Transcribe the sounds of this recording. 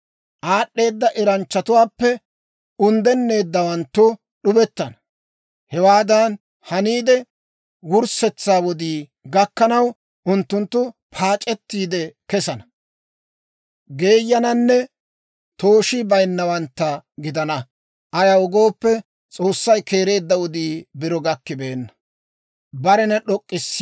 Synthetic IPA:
ʔaːɗːe̞ːd̪ːɐʔɪɾɐnt͡ʃːɐt̪ʊwaːpːɛ | ʊnd̪ɛnːe̞ːd̪ːɐwɐnt̪ːʊ | ɗʊbɛt̪ːɐnɐ | hɛwaːd̪ɐn | hɐniːd̪ɛ | wʊɾsɛt͡sːaːwɔd̪iː | ɡɐkːɐnɐw | ʔʊnt̪ːʊnt̪ːʊpʰaːt͡ʃʼɛt̪ːiːd̪ɛkɛsɐnɐ | ɡe̞ːjːɐnɐnːɛ | t̪o̞ːʃibɐjnːɐwɐnt̪ːɐɡɪd̪ɐnɐ | ʔɐjɐwʊɡo̞ːpːɛ | t͡sʼo̞ːsːɐjke̞ːɾe̞ːd̪ːɐwɔd̪iːbɪɾɔɡɐkːɪbe̞ːnːɐ | bɐɾɛnɛɗɔkʼːɪsː

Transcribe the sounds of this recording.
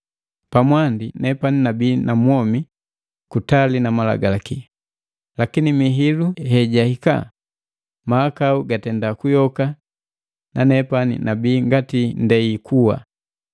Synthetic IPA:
pamwandinɛpaninabiːnamuɔmi | kutalinamala̰ɡalaki | lakinimiɦiluhɛɟahika̰ | maːkauɡatɛndakujɔka | nanɛpanḭnabiːŋɡatindɛikʰuwa̰

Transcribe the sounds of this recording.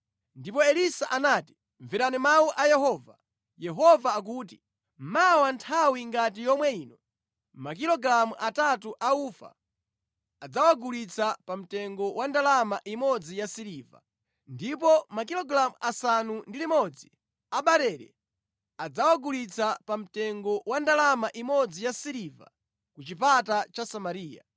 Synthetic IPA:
ndipɔɛlisaʔanaːti̥ | ɱviɾanimawuʔajɛɦɔːva | jɛɦɔvaːk̬uːt̬i | mawantʰawiŋɡat̬ijɔmwɛiːnɔ | makilɔɡɾamuʔatatuʔauːfa̰ː | d͡zawaɡulit͡sʰapam̩tɛŋɡɔwʔandalamaʔimɔd͡zijasiɾiːva̰ | ndipɔmakilɔɡɾamuʔasanundilimɔd͡zi | aɓaɾɛɾɛ̰ | ad͡zawaɡulit͡sʰapam̩tɛŋɡɔwandalamaʔimɔd͡zijasiɾiva̰ | kut͡ʃipatat͡ʃasamaɾiːja̰

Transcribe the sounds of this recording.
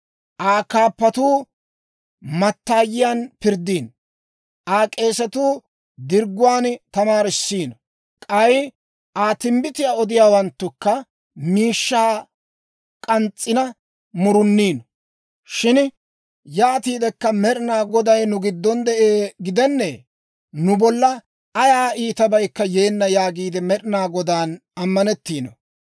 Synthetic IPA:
ʔaːkaːpːɐt̪uː | mɐt̪ːaːjɪjaːnpɪɾd̪iːn | ʔaːkʼe̞ːsɛt̪uː | d̪ɪɾɡʊwaːnt̪ɐmaːɾɪsːiːnɔ | kʼɐj | ʔaːt̪ɪmbɪt̪ɪjaːɔd̪ɪjaːwɐnt̪ːʊkːɐ | miːʃːaː | kʼɐnt͡sʼːɪnɐ | mʊɾʊnːiːnɔ | ʃɪn | jaːt̪iːd̪ɛkːɐmɛɗɪnaːɡɔd̪ɐjnʊɡɪd̪ːɔnd̪ɛʔeːɡɪd̪ɛnːɛ | nʊbɔlːɐ | ɐjaːʔiːt̪ɐbɐjkːɐje̞ːnːɐjaːɡiːd̪ɛmɛɗɪnaːɡɔd̪aːnɐmːɐnɛt̪ːiːnɔ̰

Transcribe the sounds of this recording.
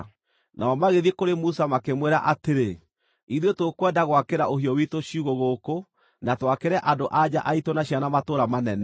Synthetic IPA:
nʔaɔmaɣeðiekoɾemusamakemweɾaʔateɾe | iðwetokwɛdaɣwakeɾaoɦiɔwitoɕiuɣoɣoko | natwakeɾɛʔadoʔad͡ʑaʔaitonaɕianamatoːɾamanɛnɛ

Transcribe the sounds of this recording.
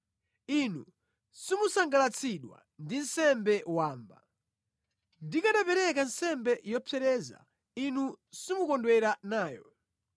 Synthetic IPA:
inṵ | simusaŋɡalat͡sʰiɗwa̰ | ndin̩sɛmbɛwaːmba̰ | ndikaɗapɛɾɛkansɛmbɛjɔpʰɛɾɛza̰ | inusimukɔndwɛɾanaːjɔ̰

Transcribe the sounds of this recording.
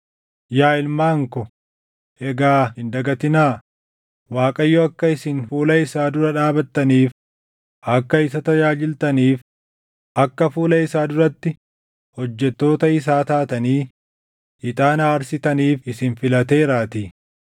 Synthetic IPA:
jaːɪlmaːŋkɔ | ʔɛɡaːhɪnd̪ɐɡɐt̪ɪnaː | waːkʼɐjːɔɐkːɐɪsɪnfuːlɐɪsaːd̪ʊɾɐᶑaːbɐt̪ːɐniːf | ʔɐkːɐɪs̬ɐt̪ɐd͡ʒaːd͡ʒɪlt̪ɐniːf | ʔɐkːɐfuːlɐɪsaːd̪ʊɾɐt̪ːɪ | hɔd͡ʒːɛt̪ːo̞ːt̪ɐɪs̬aːt̪aːt̪ɐniː | ʔɪt̪ʼaːnaːɐɾsɪt̪ɐniːfɪsɪnfɪlɐt̪e̞ːɾaːt̪i

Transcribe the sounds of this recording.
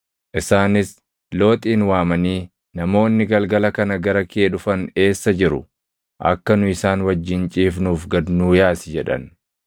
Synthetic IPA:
ʔɪsaːnɪs | lo̞ːt̪ʼiːnwaːmɐniː | nɐmo̞ːnːɪɡɐlɡɐlɐkɐnɐɡɐɾɐkʰeːᶑʊfɐne̞ːsːɐd͡ʒɪɾʊ̰ | ʔɐ̰kːɐnʊɪsaːnwɐd͡ʒːɪnt͡ʃʼiːfnuːfɡɐd̪nuːjaːsɪd͡ʒɛᶑɐ̰n

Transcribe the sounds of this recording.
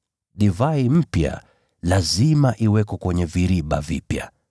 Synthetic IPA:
ɗivaim̩pja̰ | lazimaʔiwɛkɔkwɛɲɛviɾiɓa̰vḭpja

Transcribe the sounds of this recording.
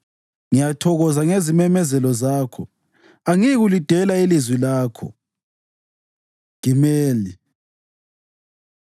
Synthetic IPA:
ŋijatʰɔɣɔzaŋezimɛmɛzɛlɔzaːkʰɔ̰ | aŋiɣulid̥ʱɛlailizwilaːkʰɔ̰ | ɡ̥imeːli

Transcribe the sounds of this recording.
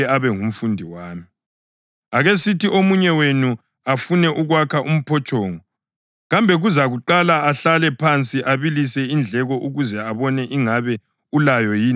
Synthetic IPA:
ɛaβɛŋum̩fundʱiwaːmi | aɣesitiomuɲɛwenu | afunɛʔuɣwakʰaʔum̩pʰɔt͡ʃʼɔːŋɔ | ɣambʱɛɣuzaɣuǃalaaɬalɛpʰant͡sʼiʔaβilisɛind͡ɮʱɛɣɔʔuɣuzɛaβɔnɛʔiŋaβɛ | ulajɔjiː

